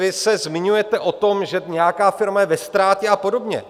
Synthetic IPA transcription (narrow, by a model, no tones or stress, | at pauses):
vɪsɛzmɪɲujɛt̪ɛʔo̞t̪o̞mʒɛɲɛjakaːfɪɾmajɛvɛst̪ɾaːcɛapo̞do̞bɲɛ̰